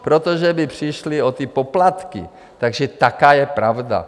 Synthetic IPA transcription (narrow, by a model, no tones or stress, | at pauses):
pɾot̪oʒɛbɪpr̝̥ɪʃlɪot̪ɪpoplat̪kɪ̰ | t̪aɡʒɛt̪akaːjɛpɾavda̰